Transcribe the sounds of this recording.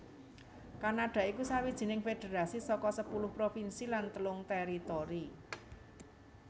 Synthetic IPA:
kanaɖ̥ä̤ikusawid̥ʒ̥i̤nɪŋfed̥e̤ɾasisɔkɔsəpulʊhpɾofinsilant̪əlʊŋt̪eɾit̪oɾi

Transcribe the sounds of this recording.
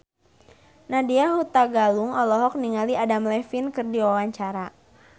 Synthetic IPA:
nadiaɦut̪aɡaluŋɔlɔɦɔk̚niŋaliadamlɛfinkɨrdiwawaɲt͡ʃaɾa

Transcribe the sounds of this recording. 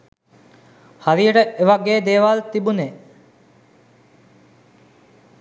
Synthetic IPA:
haɾijəʈəeʋaɡeːd̪eːʋalt̪ibune

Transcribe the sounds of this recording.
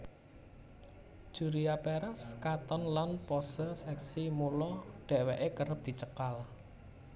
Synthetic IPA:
ʒ̥ṳɾiapeɾaskat̪ɔnlanpɔsəsɛksimulɔɖ̥ɛ̤ʔweʔekəɾəp̚d̪̥i̤t͡ʃəkal

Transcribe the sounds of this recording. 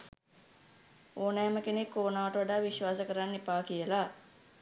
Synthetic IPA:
oːnɛːməkenekːoːnaːʋəʈəʋaɖaːʋiʃʋaːsəkəɾanːipaːkijəla

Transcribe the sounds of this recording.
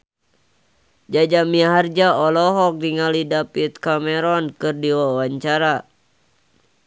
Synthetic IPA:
d͡ʒad͡ʒamiaɦard͡ʒaɔlɔɦɔk̚diŋalidapit̪̚kamɛɾɔnkɨrdiwawaɲt͡ʃaɾa

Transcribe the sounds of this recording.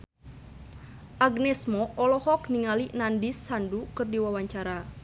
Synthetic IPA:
ʔaɡnɛsmɔʔɔlɔhɔkniŋalinandisːandukɨrdiwawaɲt͡ʃaɾa

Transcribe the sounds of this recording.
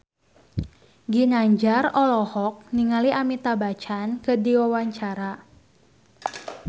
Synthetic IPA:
ɡinaɲd͡ʒarɔlɔhɔk̚niŋaliʔamit̪abat͡ʃankədiwawaɲt͡ʃaɾa

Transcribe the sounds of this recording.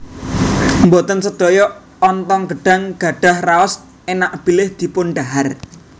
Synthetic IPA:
mbot̪ənsəd̪̥o̤jɔː | nt̪ɔŋɡə̤ɖ̥a̤ŋɡ̥a̤ɖ̥a̤hraɔs | enaʔb̥i̤lɪhd̪̥i̤pʊnɖaɦar

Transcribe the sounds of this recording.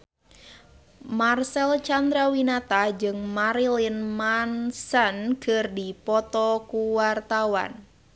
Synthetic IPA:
marsɛlt͡ʃand̪ɾawinat̪ad͡ʒɨŋmaɾilinmansankərdipɔt̪ɔkuwart̪awa̰n

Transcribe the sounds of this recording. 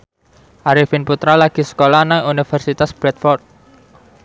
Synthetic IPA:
ʔaɾifinput̪ɾalaɡ̥i̤sə̥kolanaŋunifɛrsit̪asb̥ɾɛt̪fɔrt̪̚

